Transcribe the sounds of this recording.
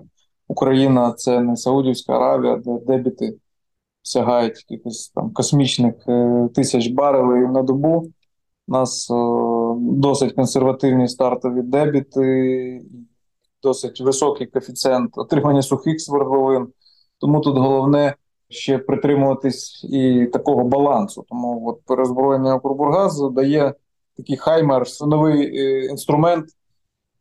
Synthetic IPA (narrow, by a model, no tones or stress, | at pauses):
ukɾɐjinɐt̪sɛnɛsɐudʲiwsʲkɐ̰ɐ̰ɾɑ̰ʋʲijɐ̰d̪ɛd̪ɛbʲit̪ɪ | sʲɐɦɑjʊtʲkʲilʲxɪsʲt̪ɑ̰mkɔsmʲit͡ʃnɪxt̪ɪsʲɐt͡ʃbɑɾɪlˠɪjinɐd̪ɔbu | nɑs | d̪ɔsɪtʲkɔnserʋɐt̪ɪwnʲist̪ɑrt̪ɔʋʲid̪ɛbʲit̪ɪi | d̪ɔsɪtʲʋɪsɔkɪjkɔfʲit̪sɛnt̪ɔt̪ɾɪmɐnʲːɐsʊxɪxsʋerɦlˠɔʋɪn | t̪ɔmut̪ut̪ɦɔlˠɔwnɛ | ʃt͡ʃɛpɾɪt̪ɾɪmʊʋɐt̪ɪsʲit̪ɐkɔɦɔbɐlˠɑnsʊt̪ɔmuɔt̪̚peɾezbɾɔjenɐjɔkɾʊbʊrɦɑzd̪ɐjɛ | t̪ɐkɪjxɑjmɛrnɔʋɪjinst̪ɾʊmɛnt̪